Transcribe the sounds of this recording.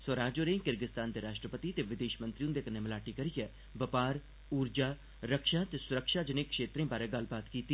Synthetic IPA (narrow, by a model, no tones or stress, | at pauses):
səɾaːd͡ʒoːɾẽːŋkɪɾɡɪst̪aːnd̪eːɾaːʃʈɾəpət̪iːt̪eːʋɪd̪eːʃmə̃nt̪ɾiũd̪eːkənːeːməlaːʈiːkəɾijɛː | bəpaːɾ | uːɾd͡ʒaː | ɾəkʃaːt̪eːsʊɾəkʃaːd͡ʒɪnẽːkʃeːt̪ɾẽːbaːɾɛːɡəl̤baːt̪kiːt̪iː